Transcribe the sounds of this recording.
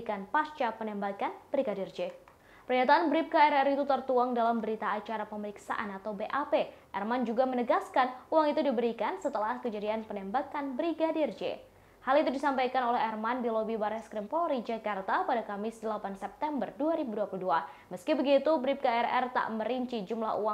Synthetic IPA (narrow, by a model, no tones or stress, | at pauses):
kanpast͡ʃapənɛmbakanb̥ɾiɡadird͡ʒɛ | pərɲat̪aʔanbɾip̚kaɛɾɛrit̪ut̪ərt̪uaŋdalambəɾit̪aːt͡ʃaɾapəməɾiksa̰ʔanat̪awbeʔapeʔɛrmand͡ʒuɡamənəɡaskanuaŋit̪udibəɾikansət̪əlahkəd͡ʒadianpənɛmbakanbɾiɡadird͡ʒḛ | halit̪udisampajkanolɛɦɛrmandilobibaɾɛskɾimpoɾid͡ʒakart̪apadakamɪsdəlapansɛp̚t̪ɛmbərduaɾibuduapuludua | məskibəɡit̪ubɾip̚kaɛɾɛ̰rt̪a̰ʔməɾiɲt͡ʃid͡ʒumlaɦṵwa